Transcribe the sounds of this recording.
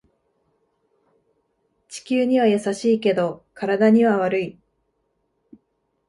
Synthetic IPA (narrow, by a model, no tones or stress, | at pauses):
t͡ɕi̥kʲɨːɲ̟iβajasaɕiːke̞d̪o̞kaɾad̪aɲ̟iβaβaɾɯ̟i